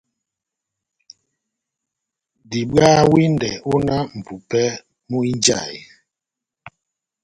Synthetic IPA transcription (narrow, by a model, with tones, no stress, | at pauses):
di˨ɓaː˦wi˦ndɛ˨u˦na˦m̩˨pu˨pɛ˦ | mu˦i˦n˦d͡ʒa̰˦˨j